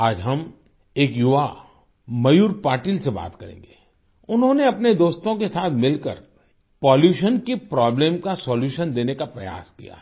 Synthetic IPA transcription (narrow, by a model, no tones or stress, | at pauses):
aːd͡ʒɦɐm | eːkjʊʋa | mɐjuːɾpaːɾʈiːlseba̰ːt̪kɐɾḛ̃ːŋɡeː | ʊnɦõneɐpned̪oːst̪õkesaːt̪ʰmɪlkə̰ɾ | pɔːljuːʃənkepɾɔːblẽːmkasɔːljuːʃənd̪eːnekapɾɐja̰ːskḭja̰ː